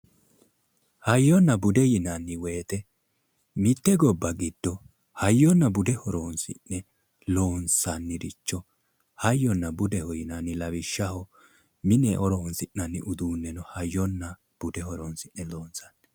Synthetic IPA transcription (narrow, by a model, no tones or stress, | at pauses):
hɐjːɔnːɐbʊd̪ɛjɪnɐnːɪwe̞ːt̪ɛ | mɪt̪ːɛɡɔbːɐɡɪd̪̥ːɔ | hɐjːɔnːɐbʊd̪ɛhɔɾoːnsɪ̰nːɛ | loːnsɐnːɪɾɪt͡ʃːɔ | hɐjːɔnːɐbʊd̪ɛhɔjɪnɐnːɪlɐβɪʃːɐhɔ | mɪnɛʔɔɾɔɔnsɪʔːɐnːɪʔʊd̪uːnːɛnɔhɐjːɔnːɐ | b̥ʊd̪ɛhɔɾonsɪnːɛlo̞ːnsɐnːɛ